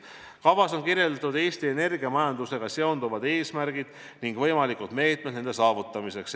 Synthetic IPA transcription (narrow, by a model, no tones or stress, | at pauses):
kɑvɑso̞nkiɾje̞ld̪̥ɑt̪ud̪e̞ːst̪ie̞ne̞rɡ̥iɑmɑjɑnd̪use̞ɡ̥ɑse̞ond̪uvɑd̪̥e̞ːsmæɾɡ̥id̪̥ | niŋɡvɤ̞jmɑlikud̪̥me̞ːt̪me̥nend̪e̞sɑːvut̪ːˑɑmise̞ks